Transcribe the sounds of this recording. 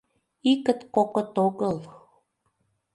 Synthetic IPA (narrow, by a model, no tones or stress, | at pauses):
ikə̆t̪kokə̆t̪oɣəl